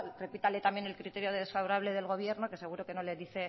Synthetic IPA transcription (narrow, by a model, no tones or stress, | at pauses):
re̞pit̪ale̞t̪ambje̞ne̞lkɾit̪e̞ɾjoðeðesfaβoɾaβ̞le̞ðe̞lɣ̞o̞β̞je̞ɾno̞kese̞ɣuɾo̞ke̞no̞leðiθe̞